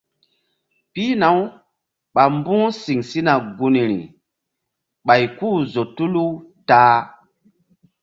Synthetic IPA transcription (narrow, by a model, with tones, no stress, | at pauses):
pi˦na˨w | ɓa˨mbũ˦ŋsi˨ŋsi˦na˨ɡu˨ni˨ɾḭ˨ | ɓa˨jku˦zo˨tu˦lu˦taː˦